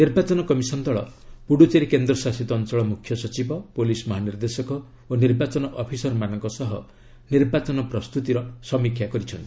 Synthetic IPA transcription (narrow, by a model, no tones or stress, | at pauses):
niɾbat͡ʃɔnɔkɔmisɔnd̪ɔɭɔ̰puɽut͡ʃeɾekend̪ɾɔsasit̪ɔːnt͡ʃɔɭɔmukʰjɔsɔt͡ʃibɔpolismɔɦaniɾd̪esɔkɔ | oniɾbat͡ʃɔnɔʔɔpʰisɔɾmanɔŋkɔsɔɦɔ | niɾbat͡ʃɔnɔpɾɔst̪ut̪iɾɔsɔmikʰjakɔɾit͡ʃʰɔnt̪ii